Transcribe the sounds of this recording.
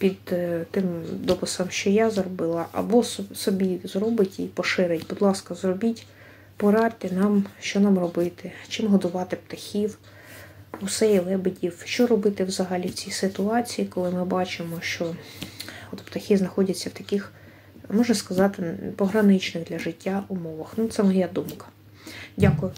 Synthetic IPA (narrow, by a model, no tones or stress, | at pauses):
pʲid̪t̪ɪmd̪ɔpʊsɐmʃt͡ʃɔjazrɔbɪlˠɐʔɐ̰bɔssɔbʲizɾɔbɪtʲipɔʃɪɾɪtʲbʊd̪lˠɑskɐzrɔbʲitʲ | pɔɾɑt̪ɪnɑmʃt͡ʃɔnɑmrɔbɪt̪ɪt͡ʃɪmɦɔd̪ʊʋɑt̪ɪpt̪ɐxʲiw | ʊsɛjlˠɛbɪdʲiwʃt͡ʃɔɾɔbɪt̪ɪwzɐɦɐlʲiwt͡sʲisɪt̪ʊɑt͡sʲijikɔlˠɪmɪbɑt͡ʃɪmɔʃt͡ʃɔ | ɔt̪pt̪ɐxʲiznɐxɔdʲɐt͡sʲːɐwt̪ɐkɪx | mɔʒnɐskɐzɑt̪ɪpɔɦɾɐnɪt͡ʃnɪxd̪lʲɐʒɪtʲːaʊmɔʋɐxnut̪sɛmɔjad̪umkɐ̥ | dʲakʊjʊ